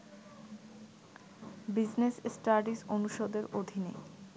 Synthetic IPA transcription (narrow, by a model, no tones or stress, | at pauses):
bid͡ʑnesesʈaɾɖisonuʃod̪eɾod̪ʱine